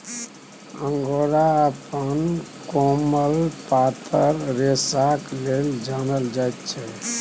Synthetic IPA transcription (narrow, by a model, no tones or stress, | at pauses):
ə̃ŋɡoɾaəpənkoməlpat̪ʰəɾɾesakleld͡ʒanəld͡ʒajt̪̚t͡ʃʰɛ